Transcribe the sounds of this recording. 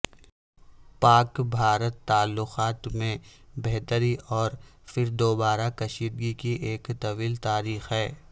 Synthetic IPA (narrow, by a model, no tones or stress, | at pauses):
paːkbʱaːɾət̪ːaːlːʊqaːt̪mẽbeɦt̪əɾiʔɔːɾfɪɾd̪oːbaːɾakɐʃiːd̪ɡikiʔeːkt̪ɐʋiːlt̪aːɾiːxɦɛː